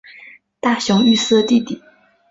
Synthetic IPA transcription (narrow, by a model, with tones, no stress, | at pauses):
t̪a˥˩ɕjʊ˧˥ŋy˥˧sɹ̩˥˧t̪i˥˩t̪i˨˩˦